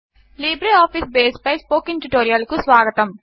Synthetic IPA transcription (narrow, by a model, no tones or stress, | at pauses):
liːbɾeaːpʰisbeːspɐjspoːkiŋʈuʈoːɾijɐlkusʋaːɡɐt̪ɐm